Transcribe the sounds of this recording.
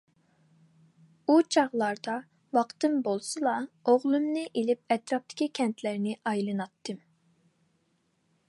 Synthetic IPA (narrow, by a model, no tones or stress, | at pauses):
ut͡ʃʰɑʁlˠɑɾd̪ɑ | wɑqt̪ɨmbolˠsɨlˠɑoʁlˠɨmnɨʔelɪp̚ɛt̪ɾɑp̚t̪ʰɪ̥kʲikʲʰɛnt̪ʰlæɾnɪʔɑjlˠɨnɑt̪ʰːɨm